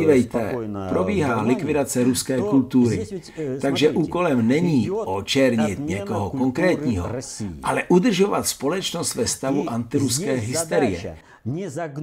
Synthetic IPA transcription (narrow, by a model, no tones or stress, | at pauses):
iːvɛjt̪ɛpɾobiːɦaːlɪkvɪdat͡sɛɾuskɛːkult̪uːɾɪ | t̪aɡʒɛʔuːko̞lɛmnɛɲiːʔot͡ʃɛɾɲɪt̪ɲɛkoɦoko̞ŋkɾɛːt̪ɲiːɦo̰ʔalɛʔud̪r̩ʒovat̪spo̞lɛt͡ʃnost̪vɛst̪avuʔant̪ɪɾuskɛːɦɪst̪ɛɾɪjɛ̰